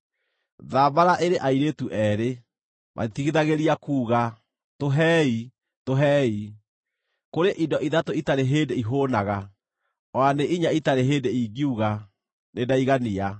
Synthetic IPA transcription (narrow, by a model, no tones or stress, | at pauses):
ðabaɾaʔeɾeʔaiɾetuʔɛːɾe | mʔa̰etiɣiðaɣeɾiakuːɣa | toɦɛːi | toɦɛːi | koɾeʔidɔʔiðatoitaɾeɦeːndeiɦoːnaɣa | ɔaneʔiɲaitaɾeɦeːdeiɣiuɣa | nedaiɣania